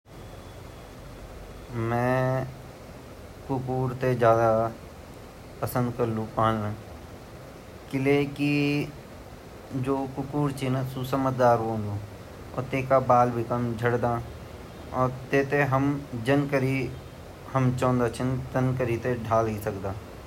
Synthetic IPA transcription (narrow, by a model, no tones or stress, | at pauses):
mɛ̃ː | kʊkuːɾt̪ed͡ʒjaːd̪a | pəsə̃nd̪kɐɾlũpaɦənnaː | kɪleki | d͡ʒoːkʊkuːɾt͡ʃʰinəsusəmət̪d̪aːɾɦõːd̪uː | ɔ̰ːɾt̪eːkabaːlbʱikəmd͡ʒʱɐɽd̪aː | ɔːɾt̪eːt̪eɦɐmd͡ʒɐnkəɾi | hɐmt͡ʃɔ̃ːnd̪at͡ʃʰənt̪ɐnkəɾit̪eɖʱaːlɦisɐkd̪aː